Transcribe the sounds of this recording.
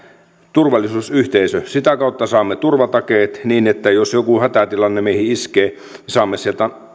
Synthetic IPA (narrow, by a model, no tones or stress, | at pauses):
t̪urʋɑlːˑisuːsyht̪eisøsit̪ækɑˑut̪ːɑsɑːmːet̪urʋɑt̪ɑkeːt̪niːnet̪ːæjosjokuhæt̪æt̪ilɑnːemeˑihiiskeː | nisɑːmːesielt̪æ